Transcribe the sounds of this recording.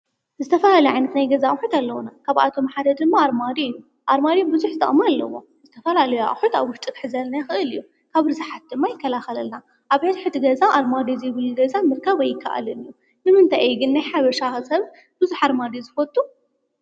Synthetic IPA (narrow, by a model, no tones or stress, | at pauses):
zɨt̪ʰɐfɐlalɐjʕajnɐt̪najɡɐzaʔʼħut̪alːɐwunakʰaβa̰t̪ʰo̞maħad̪ɐd̪d̪ɨmːaaɾmad̪iɨjːu | ʔaɾmad̪ijbɨzuħzɨt̪ʰʼɐ̰χʼmalːɐ̰wo̰ | zɨt̪ʰɐfɐlalɐjua̰ʔʼħut̪aβwʊʃt̪ʼit̪ʼħɨzɐlnajxɨʔɨlɨjːu | kʰaβɾɨzɨħat̪̚d̪ɨmːajɪkʰːɐlaxɐlɐlna | ʔaβet̪ħɨt̪ːɨɡɐzaʔaɾmad̪izjɪβɨluɡɐzamɨɾkʰɐβɐjɪkʰːa̰ʔa̰lɨnɨjːu | nɨmɨnt̪ʰajɛjɡɨnːajħaβɐʃaxsɐβ | bɨzuħaɾmad̪izɨfɐt̪ʼːu